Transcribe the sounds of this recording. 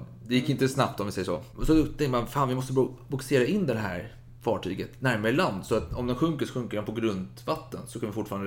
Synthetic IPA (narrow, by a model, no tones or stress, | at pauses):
d̪ɛjɪkːɪnt̪əsnapt̪ɔmvɪsɛjːəʂɔ̰sɔd̪ɵɛmanfaːnvɪmɔs̬t̪əbbʊkseːɾaɪnːd̪ɛnɦæ̰ːɾ | fɑːʈʰyːɡət̪næɾmaɾəland̪sɔat̪ɔmd̪ɛnɧɵŋkəʂɔɧɵŋkəɖɛnpʰɔɡɾɵnd̪vat̪ːənsɔkʰanvɪfʊʈːfɑːɾand̪